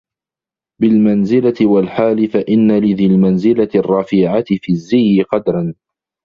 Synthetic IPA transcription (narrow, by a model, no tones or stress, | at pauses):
bɪlmanzɪlat̪ɪwalħaːlɪfaʔɪnːalɪðɪlmanzɪlarˤːɑfɪːʕat̪ɪfiːzːɪjːɪqɑd̪ɾˤɑn